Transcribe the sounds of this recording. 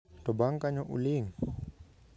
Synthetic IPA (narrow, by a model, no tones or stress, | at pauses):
t̪ɔbaŋkaɲɔʔṵliŋ